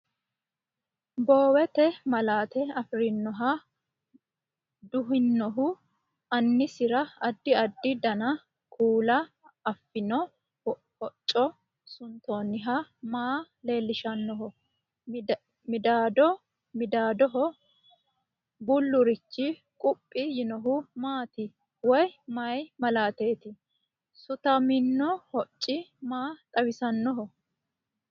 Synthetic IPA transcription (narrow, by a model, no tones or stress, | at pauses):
boːwɛt̪ɛmɐlaːt̪ɛɐfɾɪnːɔɦa | d̪ʊɦɪnːɔɦʊ | ɐnːɪsɪɾɐɐd̪ːɪɐd̪ːɪd̪ɐnɐ | kʰʼuːlɐ | ɐfːɪnɔ | hɔt͡ʃʼːɔ | sʊnt̪o̞ːnɪɦamaː | le̞ːlːɪʃɐnːɔɦɔ | mɪd̪aːd̪ɔ | mɪd̪aːd̪ɔɦɔ | bʊlːʊɾɪt͡ʃːɪ | kʼʊpʼːɪjɪnɔɦʊmaːt̪ɪ | wɔjmɐjmɐlaːt̪e̞ːt̪ɪ | sʊt̪ɐmɪnːɔhɔt͡ʃʼːɪmaːt̪ʼɐwɪsɐnːɔɦɔ